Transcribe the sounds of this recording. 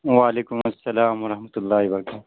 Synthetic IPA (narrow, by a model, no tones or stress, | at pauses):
waːleːkʊmɐsːɐlaːmwɐɾɐhmɐt̪ʊlːaːɦibɐɾɐkaːt̪